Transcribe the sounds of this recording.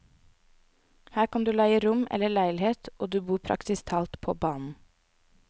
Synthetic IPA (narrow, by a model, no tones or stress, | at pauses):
hæːɾkʰɑnd̪ʉːlæɪəɾʊmɛ̰ləɭæɪlɪheːt̪ʔoːd̪ʉːbuːpʰɾɑ̰ksɪst̪ʰɑːlt̪pʰo̰ːbɑːnn̩